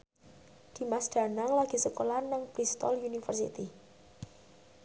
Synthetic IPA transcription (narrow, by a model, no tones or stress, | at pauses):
d̪̥i̤masd̪̥a̤naŋlaɡ̥i̤səkolanaŋpɾist̪ɔlunifərsḭt̪i